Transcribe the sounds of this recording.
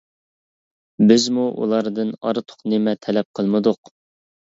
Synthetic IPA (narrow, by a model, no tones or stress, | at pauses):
bɪzmuʔṵlˠɑɾd̪ɨnɑ̰ɾt̪ʰʊ̥qnɪmɛt̪ʰɛlɛp̚qʰəlˠmɨd̪ʊq